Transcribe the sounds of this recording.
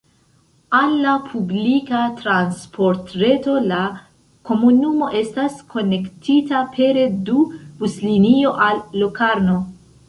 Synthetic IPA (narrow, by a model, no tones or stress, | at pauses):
anlapʰublikatɾanspʰo̞ɾtɾe̞to̞la | ko̞munumo̞ʔe̞staskʰo̞ne̞ktʰitapʰe̞ɾe̞dubuslinio̞ʔalːokaɾno̞